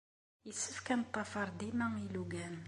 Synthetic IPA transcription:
isəfkænt̪ˤːɑfɑɾˤd̪imæiluɡæn

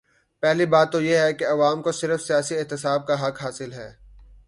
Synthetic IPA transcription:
pɛɦlibaːt̪ːojeɦɛkeɐʋaːmkosɪɾəfsijaːsiɪɦt̪ɪsaːb̚kaɦɐkɦaːsɪlɦɛ̰ː

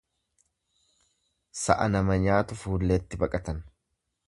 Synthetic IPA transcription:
sɐ̰ʔɐnɐmɐɲaːt̪ʊfuːlːeːt̪ːɪbɐkʼɐt̪ɐn

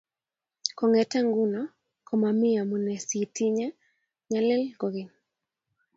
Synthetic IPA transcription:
kɔŋɛtaŋɡuna | kʰɔmamiamunɛsitiɲɛ | ɲalɛlɡɔɣin

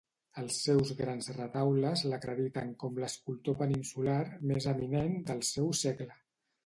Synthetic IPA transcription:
əlˠsːɛwzɣɾanzrət̪awləzləkɾəðit̪əŋkɔmləskulˠt̪opəninsularmezəminend̪əlˠsɛwsɛɡlə

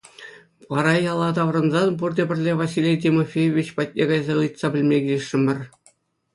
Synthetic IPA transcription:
ʋɑɾɑjɑlˠːɑt̪ɑʋrɤ̆nzɑnpurd̪ʲebʲɘ̆rʲlʲeʋɑsʲilʲejtʲimofʲejoʋʲit͡ɕpɑt̚ʲnʲeɡɑjzɑɯjt̪sɑbʲɘ̆lʲmʲeɡʲilʲɘ̆ʂːɘ̆mʲɘ̆rʲ

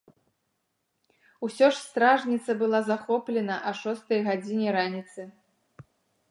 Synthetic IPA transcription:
usʲɔʂst̪ɾaʐnʲit̪sɐbɨlˠazaxɔplʲɛnɐʔɐʂɔst̪ɐjɣad͡zʲinʲɛɾanʲit̪sɨ

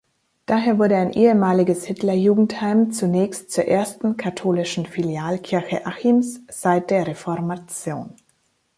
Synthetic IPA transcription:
d̥aːɦeːɐvʊɐɾəaɪnʔeːəmaːlɪɡəshɪtlɐjuːɡŋ̩thaɪmt͡sunɛːçstt͡suːɐʔeːɐstn̩kʰatʰoːlɪʃn̩filjaːlkʰɪɐçəʔaximsz̥aɪt̚d̥eːɐʁefɔɐmat͡sjo̰ːn

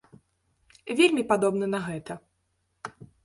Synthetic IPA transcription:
vʲelʲmʲipad̪ɔbnɐnɐɣɛt̪ɐ

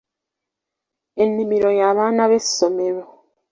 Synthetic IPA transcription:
e̞nːimiɾo̞jaːβaːnaβesomeɾo

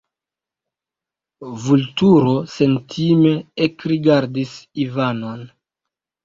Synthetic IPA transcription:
vultuɾo̞se̞ntʰime̞ekɾiɡaɾdisivano̞n

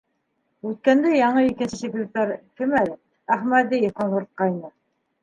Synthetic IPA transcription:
ʉt̪̚kænd̪æjɑɴɤikɘ̆nsɘsek̪ɘk̚t̪ɑɾkɘ̆mælɘ | æχmæd̪ijfqɑnŭɾt̪̚qɑjnɤ

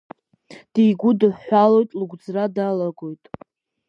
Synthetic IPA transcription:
d̥ijɡʷʊdɨħːalo̞jtʼluɡʷd͡zradalaɡo̞jtʼ

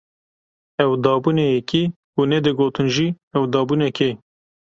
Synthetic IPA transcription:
ɛwd̪ɑːbuːnejɛki | unɛd̪ɨɡoːt̪ɨnʒi | ɛwd̪ɑːbuːnɛke

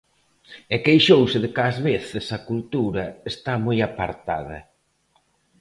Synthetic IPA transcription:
ekejʃowsɪðɪkazβeθɪsɐkult̪uɾɐest̪amojapaɾt̪a̰ðɐ̰

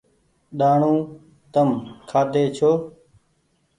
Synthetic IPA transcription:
ɗaːɳũː | t̪əmkʰaːd̪eːt͡ʃʰoː

